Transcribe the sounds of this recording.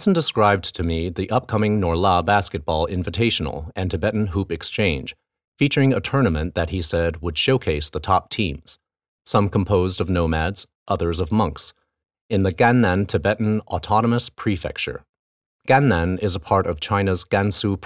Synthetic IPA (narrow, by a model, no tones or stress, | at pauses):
sn̩dɨskɹaɪb̚tʰɨmiðiʔʌp̚kʰʌ̃mɪ̃ŋnɔɹləbæskɨt̚b̥ɔ̰lˠɪ̰̃ɱvɨtʰeɪʃn̩l̩ˠɨ̃ntʰɨbɛʔn̩ɦupɨkst͡ʃʰẽɪ̃n̥ʒ̥ | fit͡ʃə˞ɪ̃ŋɨtʰɜ̃˞nəmɨ̃nðɨt̚hisɛd̚wəd̥ʃoʊkʰeɪsðətʰɑp̚tʰĩmz̥ | sʌ̃mkʰm̩pʰoʊzdʌvnoʊmædz̥ | ʔʌðə˞zʌvmʌ̃ŋks | ɨ̃nðɨɡæ̃næ̃ntʰɨbɛʔn̩ətʰɑnəməspʰɹ̥ifɛ̰k̚t͡ʃə̰˞ | ɡ̥æ̃nːæ̃nɪzəpʰɑɹɾʌv̥t͡ʃʰãɪ̃nɨzɡ̥æ̃nsupʰ